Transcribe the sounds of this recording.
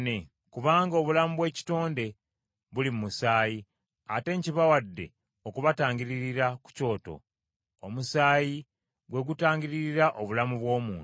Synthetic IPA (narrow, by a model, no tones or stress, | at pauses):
ne̞ | kuβaːŋɡo̞βulamuβwe̞ːci̥to̞ːnde̞ | βulimmusaːji | ate̞ɲciβawadːe̞̰ | okuβataːɲŋɟiɾiɾiɾaku̥co̞ːto̞̰ | omusaːji | βwe̞ɡutaːɲɟiɾiɾiɾaʔoβulamuβwo̞ːmuːn